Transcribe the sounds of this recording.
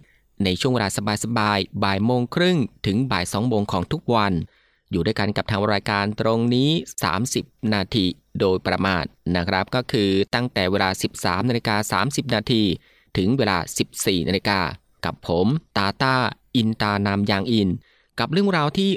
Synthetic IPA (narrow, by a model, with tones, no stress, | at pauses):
na˧jt͡ɕʰu˥˩ŋweː˧aː˧sa˧baː˧jsa˧baː˧jbaː˨˩jmoː˧ŋkʰɾɯ˥˩ŋt̪ʰɯ˩˦ŋbaː˨˩jsɔː˩˦ŋmoː˧ŋkʰɔː˩˦ŋt̪ʰu˦˥k̚wa˧n | juː˨du˥˩əjka˧nka˨˩p̚t̪ʰaː˧ŋɾɾaː˧jkaː˧nt̪ɾo˧ŋniː˦˥sa̰ː˩˦msi˨˩p̚naː˧t̪ʰiː˧ | doː˧jpɾa˧ma̰ː˧nna˦˥kʰɾa˦˥p̚kɔː˥˩kʰɯː˧t̪a˥˩ŋt̪ɛː˨˩weː˧laː˧si˨˩p̚sa̰ː˩˦mnaː˧li˧˥kaː˧sa̰ː˩˦msi˨˩p̚naː˧t̪ʰiː˧ | t̪ʰɯ˩˦ŋweː˧la̰ː˧si˨˩p̚siː˨˩naː˧i˧˥kaː˧ | ka˨˩pʰːo˩˦mt̪aː˧t̪aː˥˩ʔi˧nt̪aː˧na˧mjaː˧ŋʔi˧n | ka˨˩p̚ɾɯ˥˩əŋɾaː˧wt̪ʰiː˥˩